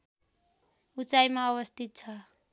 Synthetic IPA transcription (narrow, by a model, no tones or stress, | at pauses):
ut͡sajmawɔst̪it͡sʰa